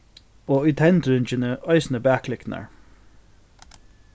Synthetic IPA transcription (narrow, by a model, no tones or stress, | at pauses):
oːʏt̪ʰɛnt̪ɾʏnt͡ʃɪnəœɪsnəbæːkʰlɪkna̰ɹ